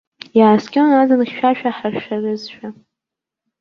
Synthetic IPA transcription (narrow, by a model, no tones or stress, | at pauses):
jaːskʲʼɪanazanχʲʃᶣaʃᶣaħarʃᶣarɨzʃᶣa